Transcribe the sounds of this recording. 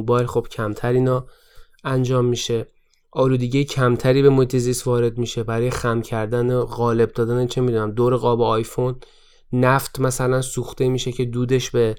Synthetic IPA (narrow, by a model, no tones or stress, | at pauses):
bɒːjlxob̥cʰæmt̪ʰæɾiːnɒː | ænd͡ʒɒːmːiʃe̞ | ʔɒːluːd̪eɟijecʰæmt̪ʰæɾiːbe̞moiːt̪ʰe̞zist̪vɒːɾe̞d̪miʃe̞bæɾɒːjexæmcʰæɾd̪æneɣɒːle̞b̚d̪ɒːd̪ænet͡ʃʰnemid̪uːnæmd̪oːɾeɣɒːbeɒːjfonː | æft̪ʰmæsælænsuːxt̪e̞miːʃe̞cʰe̞d̪uːd̪e̞ʃbe̞